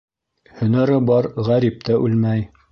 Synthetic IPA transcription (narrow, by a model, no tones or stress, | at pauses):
hɵ̆næɾɘbɑɾʁæɾip̚t̪æʔʉlmæj